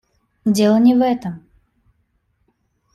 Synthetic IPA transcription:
dʲelˠənʲɪvɛt̪əm

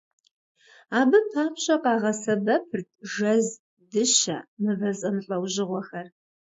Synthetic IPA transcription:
aːbɨpʰaːpʰɕʼɐqʼɑːʁɐsɐbɐpʰɨrtʰʒɐz | dɨʃɐ̰mɨvɐzʼɐmɬʼɐwʑɪʁʷɔxɐr

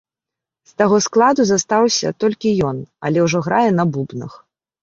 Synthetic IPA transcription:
st̪aɣɔsklˠad̪uzast̪awsʲɐ̰t̪ɔlʲkʲijɔna̰lʲɛwʐɔɣɾajɛnɐbubnɐ̰x

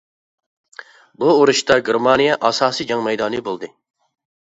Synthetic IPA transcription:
buoɾuʃt̪ɑɡʲeɾmɑnijɛʔɑsɑːsid͡ʒɑŋmɛjd̪ɑːnɨbolˠd̪ɨ

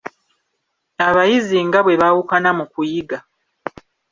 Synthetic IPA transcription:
aβajiziŋɡaβwe̞βawukanamukujiɡa

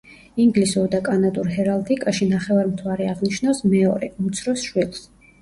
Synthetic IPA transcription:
iŋɡlisuɾd̪akʼanat̪ʼuɾɦɛɾalˠt̪ʰʼikʼaʃinaχɛvaɾmt̪ʰvaɾɛaʁniʃnawsmɛɔɾɛʔut̪sʰɾɔsʃwilˠs

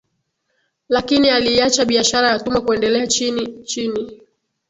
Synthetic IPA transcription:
lakinialiːat͡ʃaɓiaʃaɾajatumakuɛndɛlɛat͡ʃini

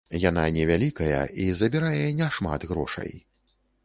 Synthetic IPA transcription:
jananʲɛvʲalʲikɐjɐ̰ʔizɐbʲiɾajɛnʲɛʂma̰d̪ɣɾɔ̰ʂɐ̰j

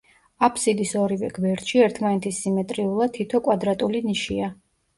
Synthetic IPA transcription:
apʰsid̪isɔɾivɛ̰ɡvɛɾd̪ʃiɛɾt̪ʰmanɛt̪ʰisimɛt̪ʼɾiulˠad̪̚t̪ʰːit̪ʰɔkʼwad̪ɾat̪ʼuliniʃia

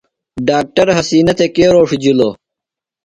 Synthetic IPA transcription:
ɖaːk̚ʈɐɾɦɐsiːnɐt̪ekeːɾoːʂid͡ʑuloː

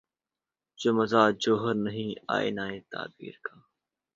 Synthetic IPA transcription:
d͡ʒoməzaːd͡ʒoːɦəɾnəɦĩːa̰ːḛnaːẽːt̪a̰ːb̪̚ḭːɾkaː

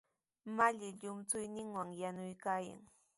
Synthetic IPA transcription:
maʎɪʎʊmt͡sʊjnɪŋwaŋjanʊjkaːja̰ŋ

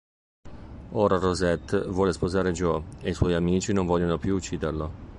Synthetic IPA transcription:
oːɾarozɛt̪ːvwɔːlespozaːɾed͡ʒoejswɔjamiːt͡ʃinoɱvɔlʎːonopjuːt͡ʃːiːd̪erlo

